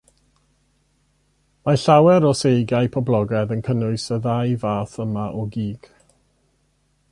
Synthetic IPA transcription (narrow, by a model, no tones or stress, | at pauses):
maɬawɛɾɔsejɡajpʰɔblˠɔɡɛðənkʰənʊɨsəðajvaːθəmaʔɔɡiːɡ̥